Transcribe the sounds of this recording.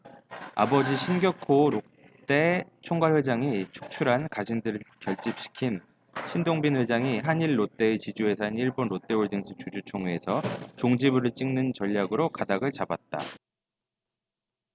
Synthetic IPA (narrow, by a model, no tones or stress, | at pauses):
a̰bʌd͡ʑiɕʰinɡjʌkʰoɾok | t͈e̞t͡ɕʰoŋɡaɭwe̞d͡ʑaŋit͡ɕʰu̥k̚t͡ɕʰuɾɦankad͡ʑindɯɾɯɭkjʌɭt͡ɕ͈ip̚ɕ͈i̥kʰin | ɕʰindoŋbinɸwe̞d͡ʑaŋiɦaɲiɭːot͈e̞ːt͡ɕid͡ʑue̞sʰainiɭbonɾot͈e̞oɭd͡ʑeŋɕʰit͡ɕud͡ʑut͡ɕʰoŋuesʰʌt͡ɕoŋd͡ʑibɯɾɯɭt͡ɕ͈iŋnɯnt͡ɕʌʎːaɡɯɾokadaɡɯɭt͡ɕabat̚t͈a̰